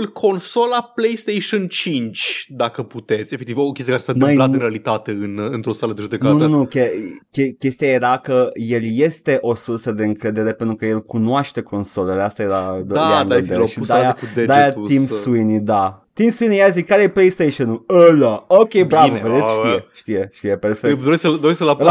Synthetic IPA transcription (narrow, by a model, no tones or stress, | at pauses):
lkʰo̞nso̞laplejst̪ejʃont͡ʃint͡ʃʲd̪akəput̪et̪sʲefek̚t̪ivokʲest̪iakaɾesanmajlat̪ɨnɾealit̪at̪e̞ɨnɨnt̪ɾo̞saləd̪eʒud̪eknaununukʲekʲekʲe̞st̪ijaje̞ɾakəje̞ljest̪e̞ʔo̞sursəd̪e̞ɨŋkɾe̞d̪eɾe̞pent̪ɾukəje̞lkunoaʃt̪e̞kʰo̞nso̞leleast̪ajeɾad̪oaaned̪eeʃid̪ajaud̪ed̪ajaimsuinid̪at̪imsuinijazikkaɾejeplejst̪ejʃonuləlaokʲebɾavved̪esʃijeʃt̪ije̞ʃt̪ijeperfekd̪oɾesksəd̪oɾesksəlala